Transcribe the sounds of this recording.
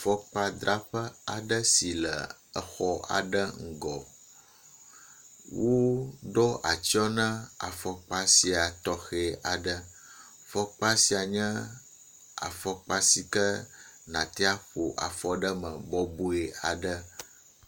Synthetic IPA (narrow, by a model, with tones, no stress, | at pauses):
fɔ˦k͡pa˦d̪ɾa˦ɸə˦a˨ɖə˦si˨lə̰˨ə˨xɔ˦a̰˨ɖə˦ŋ̩˨ɡɔ˨ | wo˦ɖɔ˦ʔa˨t͡ɕi˦ɔ˦nə̃˦a̰˨fɔ˦k͡pa˦si˨a˨t̪ɔ˨xe˨a˨ɖə˦ | fɔ˦k͡pa˦si˨a˨ɲə̃˦ | a̰˨fɔ˦k͡pa˦si˨kə˦ | nã˨t̪ɛ˦a˦ɸo˨ʔa̰˨fɔ˦ɖə˦mə̃˨bɔ˦bu˦e˨a˨ɖə˦